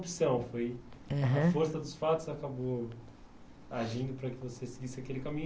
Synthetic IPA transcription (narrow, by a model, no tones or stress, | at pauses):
psɐ̃w̃fojaɦɐ̃foɾsɐd̪ʊsfat̪ʊzakabo | aʒĩnd̪ʊpɾɐkɪvosesɪɡisɪakelɪkamĩɲ